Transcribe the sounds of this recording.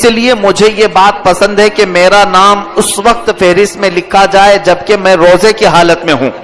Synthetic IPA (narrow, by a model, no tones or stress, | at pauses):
sliemʊd͡ʒʱejebaːt̪̚pɐsə̃nd̪ɦɛkemeːɾanaːmʊsʋɐq̚t̪feːɾɪstmẽlɪkʰad͡ʒaːed͡ʒɐb̚kemɛ̃ɾoːzekiɦaːlət̪mẽɦũː